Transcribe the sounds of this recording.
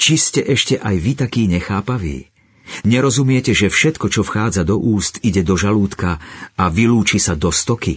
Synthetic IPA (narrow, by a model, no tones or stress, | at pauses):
t͡ʃiscɛʔɛʃcɛʔajʋit̪akiːɲɛxaːpaʋḭː | ɲɛɾɔzumɪɛcɛʒɛfʃɛt̪kɔt͡ʃɔfxaːd͡zad̪ɔʔuːst̪iɟɛd̪ɔʒaluːt̪kaaʋiluːt͡ʃisad̪ɔst̪ɔki